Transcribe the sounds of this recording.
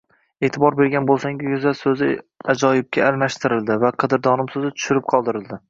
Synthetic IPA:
e̞ːt̪ʰɪbɒɾbeɾɡʲanbolˠsaŋɡʲɪjʊzasɵzɪad͡ʒɒjɪb̚kʲʰaːlmaʃt̪ʰɪɾɪld̪ɪvaqʰɨd̪ɪɾd̪ɒnɪmsɵzɪt̪ʰʊ̥ʃɪɾɪp̚qʰɒlˠd̪ɪɾɪld̪ɪ

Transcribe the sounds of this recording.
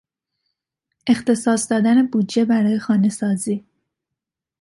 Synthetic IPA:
ʔe̞xt̪e̞sɒːsd̪ɒːd̪æne̞buːd̪d͡ʒe̞bæɾɒːje̞xɒːne̞sɒːziː

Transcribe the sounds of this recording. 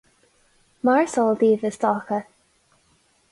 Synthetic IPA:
maɹsɔlˠd̪iːvəstɔkə

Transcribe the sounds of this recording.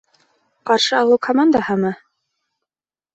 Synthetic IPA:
qɑɾʃɤɑlˠɤwkʰɐmand̪ahɤmɤ

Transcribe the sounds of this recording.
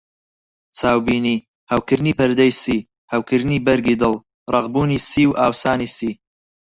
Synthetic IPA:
t͡sʰaːwbiːniː | hɐwkɨɾniːpɐɾd̪ɛjsiː | hɐwkʰɨɾniːbɐɾɡiːd̪ɨlˠ | rˤɑʁbuːniːsiːwʔaːwsaːniːsiː

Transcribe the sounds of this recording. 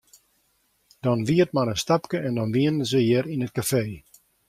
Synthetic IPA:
d̥ɔnʋiətmanənstapkəɛndɔnʋiənəzəjɪəɾinət̚kafeː

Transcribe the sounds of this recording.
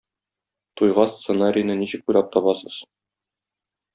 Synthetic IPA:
t̪ujʁɑst̪senaɾʲɪjnɤniɕɘ̆k̚ujlɑp̚t̪ɒbɑsɤz̥

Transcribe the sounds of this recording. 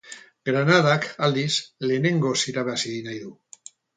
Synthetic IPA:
ɡɾanaðakald̪isleːne̞ŋɡosiɾaβasiðinajðu

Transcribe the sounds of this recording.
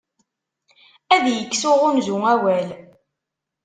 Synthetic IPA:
æðjəkːsʊʁʊnzuŋæwæl

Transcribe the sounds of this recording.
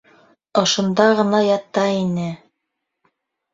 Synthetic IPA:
ŏʃŏnd̪ɑʁɤ̆nɑjɑt̪ɑinɘ

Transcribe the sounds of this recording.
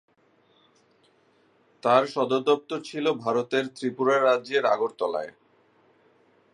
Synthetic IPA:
t̪aɾʃɔd̪od̪ɔp̚t̪ot͡ɕʰilobʱaɾot̪eɾt̪ɾipuɾaɾadʑeɾa̰ɡoɾt̪ɔla̰e

